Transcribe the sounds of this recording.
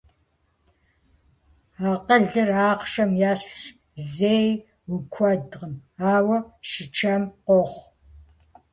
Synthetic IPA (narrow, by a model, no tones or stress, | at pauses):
aːqəɮɨraːqʃɐmjaːɕħʃ | zeːj | wʊkʷʰɔdʁəmaːwɐʃɪt͡ʃʰɐmqʷɔχʷ